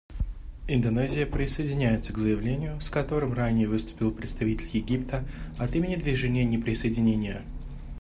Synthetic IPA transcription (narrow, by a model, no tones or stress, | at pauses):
ɪnd̪ɐnɛzʲɪjəpɾʲɪsəjɪdʲɪnʲæjɪt̪səɡzəjɪvlʲenʲɪjʊskɐt̪o̞ɾɨmranʲɪjəvɨst̪ʊ̥pʲɪlˠpɾʲɪt̪st̪ɐvʲitʲɪlʲjɪɡʲip̚t̪əɐt̪imʲɪnʲɪd̪vʲɪʐɛnʲɪjənʲɪpɾʲɪsəjɪdʲɪnʲenʲɪjə